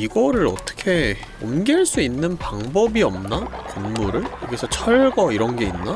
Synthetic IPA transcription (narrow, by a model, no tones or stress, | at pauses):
iɡʌɾɯɾʌ̰t͈ʌ̥kʰe̞ | omɡiɭs͈uinːɯnpaŋbʌbiʌmnakonmuɾɯɭjoɡisʰʌt͡ɕʰʌɭɡʌiɾʌnɡe̞inːa